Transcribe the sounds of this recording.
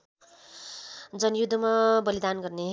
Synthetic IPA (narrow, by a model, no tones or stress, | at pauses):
d͡zʌnjud̪ʱːʌmabʌlid̪anɡʌrneɦ